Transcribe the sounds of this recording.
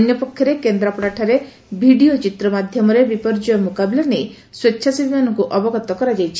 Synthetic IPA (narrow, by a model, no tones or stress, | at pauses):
dʱɔnjɔpɔkʰjɔɾekend̪ɾɔpɾaʈʰaɾe | bʱiɽiot͡ʃit̪ɾɔmad̪ʱjɔmɔɾebipɔɾd͡ʒɔjɔmukabilanej | swetːʃʰasibʱimanɔŋkuʔɔbɔɡɔt̪ːɔkɔɾad͡ʒajt͡ʃʰi̥